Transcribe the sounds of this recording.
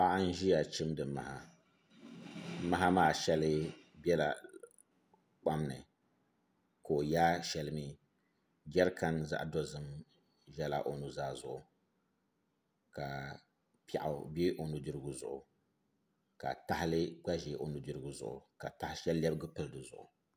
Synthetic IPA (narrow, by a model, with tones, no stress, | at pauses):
wa˦ʔa˦n̩˦ʒi˦ja˨t͡ʃɪ˦mdɨ˨˦ma˨ha˦ | ma˦a˦maː˨ʃɛ˦lɨ˦bɛ˦la˨ | k͡pa˦mnɨ̰˨ | ko˨jaː˦ʃɛ˦lɨ˦mi˦ | ɡʲɛ˦ɾka˦nza̰˦ʔdɔ˦zɨ˦m | ʒɛ˦la˨ʔo˨nu˨zaː˦zʊ˨ʔʊ˨ | ka˨ | pa̰˨ʔʊ˨be˦ʔo˨nu˨dɨ˦ɾɨ˦ɡʊ˦zʊ̰˨ʔʊ̰˨ | ka̰˨ta˨hɪ˦lɨ˦ɡ͡ba˦ʒe˨ʔo˨nu˨dɨ˦ɾɨ˦ɡʊ˦zʊ̰˨ʔʊ̰˨ka˨ta˨hɪ˦ʃɛ˦llɛ˦bɨ˦ɡʊ˦pɨ˦lɨ˦dɨ˨zʊ̰˨ʔʊ̰˨